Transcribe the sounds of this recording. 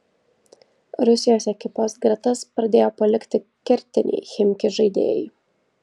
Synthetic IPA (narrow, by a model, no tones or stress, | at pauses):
ɾʊsʲɪjoːsɛkʲɪpoːsɡɾɐt̪ɐspɾɐd̪ʲeːjoːpɐlʲɪkʲt̪ʲɪkʲɛɾʲt̪ʲɪnʲɛ̰ɪxʲɪmʲkʲɪʒɐɪd̪ʲḛːjɛ̰jɪ